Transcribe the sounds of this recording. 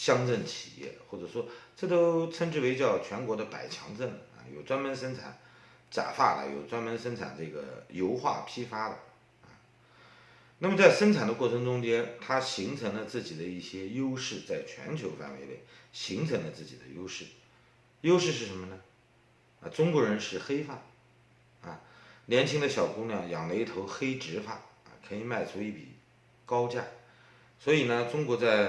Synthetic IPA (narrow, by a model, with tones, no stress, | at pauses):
ɕjɑ˥ŋʈ͡ʂə˥˩ŋt͡ɕʰi̥̰˨˩jɛ̰˥˩xwɔ˥˩ʈ͡ʂɤ˨˩ʂwɔ˥ʈ͡ʂɤ˥˩t̪o˥ʊt͡sʰə˥nʈ͡ʂɻ̩˥˩we˧˥ɪt͡ɕjɑ˥˩ʊt͡ɕʰɥɛ˧˥nkwɔ˧˥d̪ə˧pa̰˨˩ɪt͡ɕʰjɑ̰˧˥ŋt͡sə˥˩nɐ̰˧˩jo˨˩ʊt͡swa˥nmə˧˥nʂə˥nt͡sʰa̰˨˩˦n | t͡ɕja̰˨˩fa̰˥˩lə̰˩jo̰˨˩ʊt͡swa˥nmə˧˥nʂə˥nt͡sʰa̰˨˩nʈ͡ʂɤ˥˩ɡə̰˩jo˥ʊxwa̰˥˩pʰi˥fa˥d̪ə̰˨˩ | ɐ̰˧ | na˥˩mə˩t͡sa˥˩ɪʂə˥nt͡sʰa˨˩nd̪ə˦kwɔ˥˩ʈ͡ʂʰɤ˧˥ŋʈ͡ʂʊ˥ŋt͡ɕjɛ˥nt̪ʰa˥ɕi˧˥ŋt͡sʰɤ˧˥ŋlə˧t͡sɹ̩˥˩t͡ɕi˨˩d̪ə˦i˥˩ɕjɛ˥jo˥ʊʂɻ̩˥˧t͡sa˥˩ɪt͡ɕʰɥɛ̰˧˥nt͡ɕʰjo˧˥ʊfa̰˥˩nwe˧˥ɪpḛ˥˩ɪɕi˧˥ŋt͡sʰɤ˧˥ŋlə˧t͡sɹ̩˥˩t͡ɕi˨˩d̪ə̰˦jo˥ʊʂɻ̩˥˩ | jo˥ʊʂɻ̩˥˧ʂ̬ɻ̩˥˩ʂə˧˥nmə˧nə˧ | a̰˧ʈ͡ʂʊ˥ŋkwɔ˧˥ɻə˧˥nʂɻ̩˥˩xe˥ɪfa˥˩ | ɐ˧ljɛ˧˥nt͡ɕʰi˧˥ŋd̪ə˧ɕjɑ˨˩ʊkʊ˥ŋljɑ˥˩ŋjɑ˨˩ŋle˧˥ɪi˥˩t̪ʰo˧˥ʊxe˥ɪʈ͡ʂɻ̩˧˥fa˥˩ɐ̰˨˩kʰɤ˧˥i˨˩ma˥˩ɪt͡sʰu˧˥i˥˩pḭ˨˩ | kɑ˥ʊt͡ɕja˥˩ | swɔ˧˥i˨˩nə˦ʈ͡ʂʊ˥ŋkwɔ˧˥t͡sa˥˩ɪ